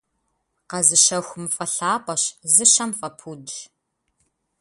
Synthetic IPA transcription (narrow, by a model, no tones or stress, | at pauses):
qɐzɨʃɐxʷʊmɨfʼɐɬaːpʼɐɕzɨɕɐmfʼɐpʰuːdɬ